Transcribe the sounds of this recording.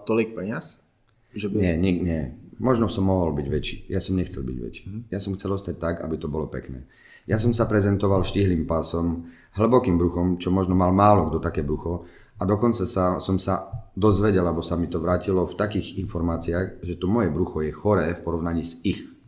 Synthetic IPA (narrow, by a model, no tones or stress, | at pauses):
t̪ɔlik̚pɛɲɪas | ʒɛɲɛɲiɲɛmɔʒnɔsɔmːɔɦɔlbiɟʋɛt͡ʃiːjasɔmɲɛxt͡sɛ̰lbḭɟʋɛ̰t͡ʃi̥ːjasɔmxt͡sɛlɔst̪ac̚t̪aka̰bit̪ɔbɔlɔpɛ̰knɛ̰ː | jas̬ɔmsapɾɛzɛnt̪ɔʋalʃciɦliːmpasɔm | ɦl̩bɔkiːmbɾuxɔmt͡ʃɔmɔʒnɔmalmaːlɔɡd̪ɔt̪akɛːbɾuxɔ | ad̪ɔkɔnt͡sasasɔmsad̪ɔzʋɛɟɛlabɔsamit̪ɔʋɾaːcilɔft̪akiːɣinfɔɾmaːt͡siaɣʒɛt̪ɔmɔjɛbɾuxɔjɛxɔɾɛːfpɔɾɔʊnaɲiːzix